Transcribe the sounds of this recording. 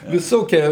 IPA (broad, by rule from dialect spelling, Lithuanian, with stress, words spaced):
ʋʲɪˈsoːkʲiɛ